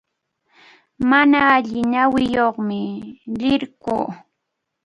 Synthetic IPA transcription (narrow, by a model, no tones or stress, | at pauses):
manaːʎɪnawɪjoχmɪlɪɾkṵː